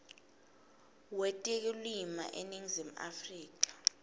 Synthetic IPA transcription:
wɛtʼɛk̬ʼilima̰ʔeniŋizim̩a̰friːk̬ḁ

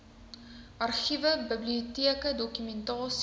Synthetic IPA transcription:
ʔɐrχivəbəbliotiəkədɔkymɛntɑːs

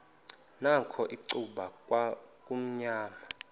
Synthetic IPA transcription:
nakʰɔʔiǀuɓakʼwakʼum̩ɲaːma

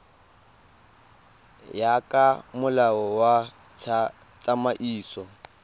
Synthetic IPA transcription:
jakʼamʊlaɔwa | t͡ʃʼamaʔiːsɔ

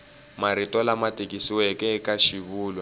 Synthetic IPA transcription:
maɾitʼɔlamatʼek̬ʼisiwɛkʼɛkʼaʃiβuːlwa

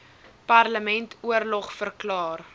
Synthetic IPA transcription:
pɐrləmɛntʰuərlɔχfərklɑːr

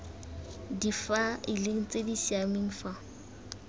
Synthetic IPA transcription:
difaɪleŋ̩t͡sʼedisiamɪŋ̩fa

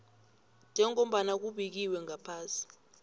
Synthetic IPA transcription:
nd͡ʒʱɛŋom̩ɓanak̬uɓik̬iwɛŋʱapʰaːsi̥

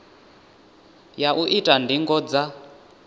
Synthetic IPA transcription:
jaʔuʔitʼandiŋɡɔd͡za

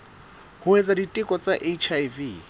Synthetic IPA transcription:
hʊet͡saditʼɪkʼɔt͡sʼaʔet͡ʃʰajviː

